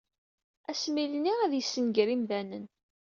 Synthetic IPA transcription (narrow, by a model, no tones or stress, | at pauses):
æsmilniʁæðjəsːənɡɾimðænən